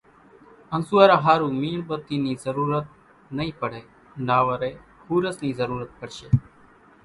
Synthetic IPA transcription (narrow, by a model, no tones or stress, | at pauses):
ənsuːaːɾaːɦaːɾuːmiːɳbət̪iːniːzəɾuːɾət̪̚ | nəĩːpəɽ̤eː | naːʋəɾeː | huːɾəsniːzəɾuːɾət̪̚kəɽʃeː